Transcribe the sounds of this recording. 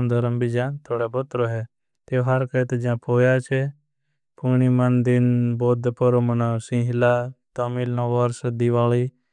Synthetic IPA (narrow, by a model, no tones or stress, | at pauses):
md̪ʱəɾəmbid͡ʒãt̪ʰoːɽabɔt̪ɾoːɦɛ | t̪eɦɐɾkət̪ed͡ʒãːpʰoːjaːt͡ʃʰe | pʰuñimənd̪ɪnboːd̪pəɾomənasĩːɦɪlat̪əmilnõːʋəɾsəd̪iʋaːliː